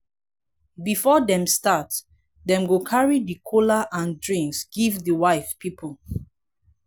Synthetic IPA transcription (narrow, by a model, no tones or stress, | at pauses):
bifɔdɛ̃mstat | dɛ̃mɡokʰaɹidikʰolaʔãndɹĩŋsɡ̥ivdəwaɪfpʰipʰəl